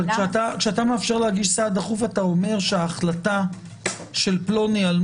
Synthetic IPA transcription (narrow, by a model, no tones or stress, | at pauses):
kʃeat̪akʃeatameafʃe̞ʁlehaɡiʃsad̪aχufatao̞me̞ʁʃeaːχlata | ʃe̞lplo̞nial